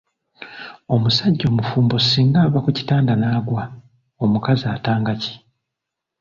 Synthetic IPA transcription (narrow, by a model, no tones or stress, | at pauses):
o̞musaɟːo̞ːmufuːmbo̞siːŋɡaːβakuci̥taːndanaːɡwa | o̞mukaziaːtaːŋɡaci̥